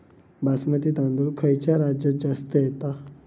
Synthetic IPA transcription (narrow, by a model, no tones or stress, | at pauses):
basmət̪iːt̪ãnd̪ulkʰəjt͡ɕjaɾad͡ʑad͡zast̪əjet̪a